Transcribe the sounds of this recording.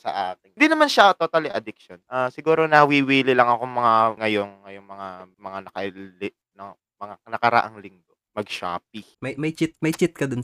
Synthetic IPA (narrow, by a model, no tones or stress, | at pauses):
sɐ̰ʔaːkɪd̪inɐmanʃat̪ot̪alɪʔɐd̪ɪk̚ʃonʔaːsɪɡuːɾo̞nɐwiwiːlɪlɐŋɐkoŋmɐŋaŋɐjoŋŋɐjoŋmɐŋamɐŋanɐkɐlɪ | nɐ | mɐŋanɐkɐɾɐ̰ʔaŋlɪŋɡ̪o̞mɐɡʃa̰ːp̚i | mɐjmɐjt͡ʃɪt̪̚mɐjt͡ʃɪt̪̚kɐd̪ʊn